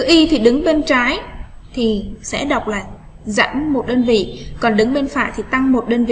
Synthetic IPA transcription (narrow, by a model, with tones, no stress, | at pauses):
ɨ˨˧˦ʔi˧t̪ʰi˨˩ɗɨ˨˦ŋɓe˧nt͡ɕaː˨˦jt̪ʰi˨˩sɛ̰˧˥ɗə˨˩wk͡p̚laː˨˩ | za̰˧˥nmo˨˩t̚ɗəː˧nvḭ˧˨kɔ˨˩nɗɨ˨˦ŋɓe˧nfa̰ː˧˨jt̪ʰi˨˩t̪a˧ŋmo˨˩t̚ɗəː˧nvḭ˧˨